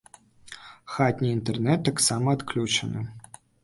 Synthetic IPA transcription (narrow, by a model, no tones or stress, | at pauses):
xat̪ʲnʲiint̪ɛrnɛt̪ːɐksamɐːt̪klʲut͡ʂɐnɨ̰